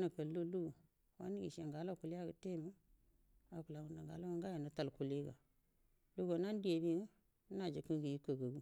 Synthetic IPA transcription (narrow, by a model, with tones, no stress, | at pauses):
na˨kə˨llu˦lu˦ɡu˨ | wa̰˦ni˦ɡḭ˨ʃe˨ŋɡa˨˦la˦˨ku˨la˦˨ɡə˨te˦˨mə˦ | a˨ku˨la˨ŋɡu˨na˨ŋɡa˨la˦a˦ŋɡa˦je˨nə˨ta˨lku˨le˦ɡa̰˨ | lu˦ɡo˨na˦n˦di˦e˨bi˦ɡə˦ | na˨d͡ʒə˨kə˦ɡə˨ji˦kə˨ɡə˨ɡu˦